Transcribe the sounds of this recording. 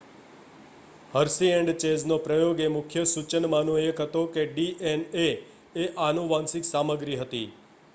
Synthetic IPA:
həɾsieɳɖt͡ʃed͡ʒnopɾəjoɡemʊkʰjəsut͡ʃənmanõekɦət̪okeɖiʔene | eʔanuʋãnsɪksaməɡɾiɦət̪ḭ

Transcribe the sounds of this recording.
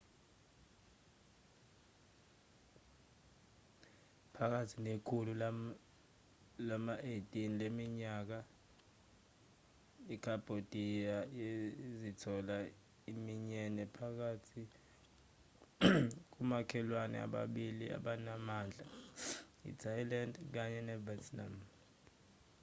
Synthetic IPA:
pʰak̬atʰinekʰulul | lamaʔetʼinilemiɲaːk̬a | ikʰab̥ʱod̥ʱijaezitʰɔla | imiɲɛnɛpʰak̬atʰi | k̬umakʰɛlwanɛ̰a̰ɓa̰ɓilia̰ɓanamaːnd͡ɮʱa | ḭtʰajlandk̬aɲɛnɛvɛtʰna̰m

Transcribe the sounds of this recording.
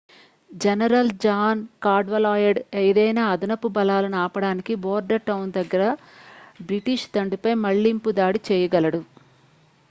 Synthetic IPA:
d͡ʒɐnɐɾɐld͡ʒaːnkaːɖʋɐlaːjɐɖejd̪ɐjnaːɐd̪ɐnɐpːubɐlaːlɐnuaːpɐɽaːnikiboːɾɖɐʈɐwnd̪ɐɡːɐɾɐ | bɾiʈiʃt̪ɐɳɖupɐjmɐɭːimpud̪aːɽit͡ʃɛːjɐɡɐlɐɽu

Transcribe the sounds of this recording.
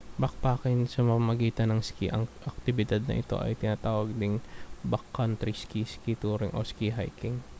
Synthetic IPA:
bɐk̚paːkɪnsɐmɐɐmɐɡiːt̪ɐnɐŋskiʔɐŋʔɐk̚t̪ɪbɪd̪ad̪̚nɐ̰ʔɪ̰t̪o̞̰ʔɐ̰jt̪ɪnat̪aːwɐɡ̚d̪ɪŋbakːɐnt̪ɾiskiskit̪uːɾɪŋʔoskiɦa̰jkɪŋ

